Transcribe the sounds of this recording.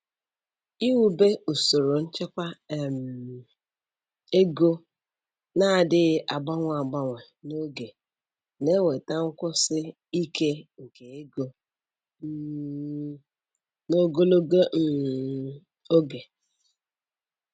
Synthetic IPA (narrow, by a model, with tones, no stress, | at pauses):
i˦wu˦be˦u˨so˨ɾo˨n̩˦t͡ʃe˦kʷa˦˨m˨ | e˦ɡo˦ | na˦˨dɪ˦ʔa˨ɡ͡ba˦ŋʷ˦˨a˨ɡ͡ba˦ŋʷe˨ | no˦ɡe˨ | ne˦wʷe˨ta˦ŋ̩˦kʷʊ˦sɪ˦ | i˦ke˦ŋ̩˨ke˨e˦ɡo˦ | no˦ɡo˦lo˦ɡo˦˨˦ | o˦ɡe˨